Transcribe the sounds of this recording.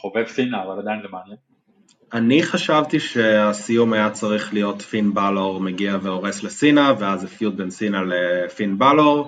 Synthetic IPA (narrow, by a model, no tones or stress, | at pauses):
χovevsinaːvalod̪amlemanje | aniχaʃavtiʃe̞asijumajat͡saʁiχlijo̞tfinbaloʁmeɡiaveoʁe̞slesinaveazefjud̪̚bensinalefinbaloʁ